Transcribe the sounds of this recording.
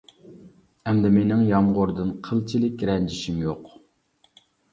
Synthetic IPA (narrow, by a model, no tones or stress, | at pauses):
ɛmd̪ɛmenɪŋjɑmʁʊɾd̪ɨnqʰəlˠt͡ʃʰilɪkʲɾɛnd͡ʒiʃimjoq